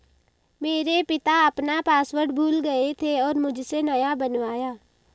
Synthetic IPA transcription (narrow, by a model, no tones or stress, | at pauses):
meːɾepɪt̪aɐpnapaːswəʈbʱuːlɡəet̪ʰeɔːɾmʊd͡ʒʱsenɐjabənʋaːjaː